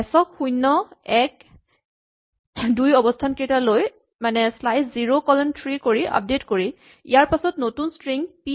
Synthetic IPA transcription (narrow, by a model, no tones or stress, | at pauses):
ɛsɔkxujnːɔɛk̚ | dujɔbɔstʰanketaloj | manɛslajsziɹokɔlɔntʰɹikoɹiʔa̰p̚detkoɹi | ḭjaɹpasɔtnotunstɹiŋpi